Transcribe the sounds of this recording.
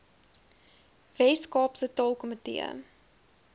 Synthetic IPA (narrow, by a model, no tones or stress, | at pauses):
vɛskɑːpsətɑːlˠkɔmətḭə̰